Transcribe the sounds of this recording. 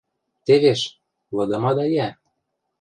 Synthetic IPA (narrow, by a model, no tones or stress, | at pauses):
t̪eβeʃ | lɤ̆d̪ɤ̆mɑd̪ɑjæ